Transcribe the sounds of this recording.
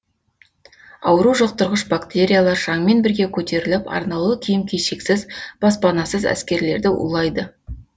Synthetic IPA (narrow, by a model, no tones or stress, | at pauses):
ɑwəɾuʒoq̚t̪ʊɾʁəʃbakt̪e̞ɾʲijalˠɑɾʒ̥ɑŋme̞nbɪɾɡʲe̞kʲʰɵt̪e̞ɾɪlɪpɑ̰ɾnɑlˠəkʲʰijɪmkʲʰeʃe̞ksɪzb̥ɑspɑnɑsəzæ̰skʲe̞ɾle̞ɾd̪ɪʔṵlˠɑjd̪ə